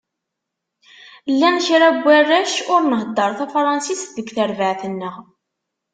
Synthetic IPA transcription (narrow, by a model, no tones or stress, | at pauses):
lːænʃɾæbʷːærːæʃʊɾnəɦəd̪ˤːəɾˤθæfɾˤɑnsist̪ðəɡθəɾvəʕθənːəʁ